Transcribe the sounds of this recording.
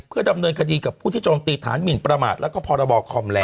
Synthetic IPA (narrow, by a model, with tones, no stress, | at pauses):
pʰɯ˥˩ɐda˧mnɤː˧nkʰa˧diː˧ka˨˩pʰu˥˩iː˥˩t͡ɕoː˧mt̪iː˧t̪ʰaː˩˦nmi˨˩npɾa˧ma̰ː˨˩t̪̚lɛ˦˥wkɔː˥˩pʰɔː˧ɾa˧bɔː˧kʰɔ˧mlɛː˧